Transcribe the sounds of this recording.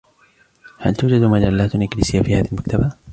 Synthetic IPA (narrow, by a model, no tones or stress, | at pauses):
ha̰lt̪uːd͡ʒad̪mad͡ʒalːaːt̪nɪɡlisɪjːafiːhaːðihlmak̚t̪ʰaba